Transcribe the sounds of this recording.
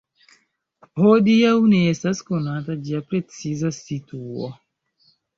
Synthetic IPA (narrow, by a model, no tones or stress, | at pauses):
hodiawneestaskonatad͡ʒiapɾet͡sizasituo̰